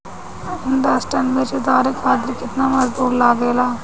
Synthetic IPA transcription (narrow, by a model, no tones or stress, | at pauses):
ɪnd̪aːsʈənʋɪt͡ʃd̪aːɾekʰaːt̪ɪɾkɪt̪naːməzbuːɾlaːɡeːlaː